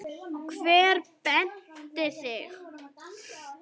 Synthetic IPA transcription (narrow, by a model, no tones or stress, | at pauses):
kʰvɛːɾpɛn̥t̪ɪsɪx